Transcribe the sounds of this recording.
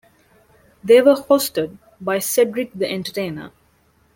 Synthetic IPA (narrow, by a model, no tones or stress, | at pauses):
d̪eːʋəhoːsʈəɖ̚ | baɪseɖɾɪk̚d̪əʔẽɳʈəʈẽːnə̰